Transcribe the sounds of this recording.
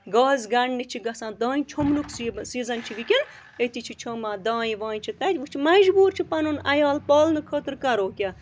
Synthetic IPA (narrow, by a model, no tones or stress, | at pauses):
ɡaːzɡɐɳnit͡ʃʰiɡɐsãːd̪aːjĩt͡ʃʰomnuksisiːzɐnt͡ʃʰiʋikin | et̪it͡ʃʰit͡ʃʰomãːd̪aːjiʋãːjt͡ʃʰit̪ɐt̪ʲʋut͡ʃʰimɐd͡ʒbuːɾt͡ʃʰipɐnonɐjaːlpɔːlnɨkʰət̪ɾkɐɾoːkʲja